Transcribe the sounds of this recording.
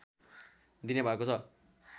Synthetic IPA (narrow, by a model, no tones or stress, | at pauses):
d̪inebʱaekot͡sʰʌ